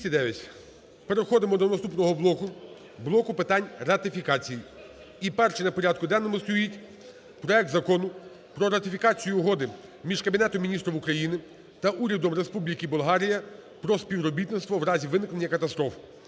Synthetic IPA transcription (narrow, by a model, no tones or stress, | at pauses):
ɐd̪ɛʋʲjɐtʲ | peɾexɔd̪ɪmɔd̪ɔnɐst̪upnɔɦɔblˠɔkʊ | blˠɔkʊpɪt̪ɑnʲɾɐt̪ɪfʲikɑt͡sʲiji | ipɛrt͡ʃɪnɐpɔɾʲɑd̪̚kʊd̪ɛnːɔmʊst̪ɔjitʲ | pɾɔɛk̚t̪zɐkɔnʊ | pɾɔɾɐt̪ɪfʲikɑt͡sʲijʊːɦɔd̪ɪ | mʲiʒkɐbʲinɛt̪ɔmʲinʲist̪ɾɔwʊkɾɐjinɪ | t̪ɐʔuɾʲɐd̪ɔmɾespublʲikɪbʊlˠɦɑɾʲijɐpɾɔspʲiʋɾɔbʲit̪nɪst̪ʋɔʋɾɑzʲiʋɪnɪknenʲːɐkɐt̪ɐst̪ɾɔf